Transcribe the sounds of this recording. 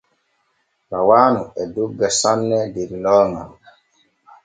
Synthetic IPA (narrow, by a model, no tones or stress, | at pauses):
bawaːnuɛduɡːɛsanːɛdeɾilɔːŋa̰n